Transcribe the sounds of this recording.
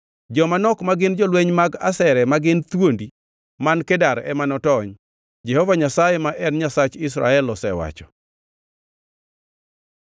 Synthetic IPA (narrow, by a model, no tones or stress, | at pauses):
d͡ʒɔmanɔkmaɡɪnd͡ʒɔlweɲmaɡa̰sɛɾɛmaɡɪnt̪wondi | mankedaɾɛ̰manɔtɔɲ | d͡ʒɛhɔvaɲasajɛmaʔɛnɲasat͡ʃɪs̬ɾa̰ɛlɔsɛwa̰t͡ʃɔ̥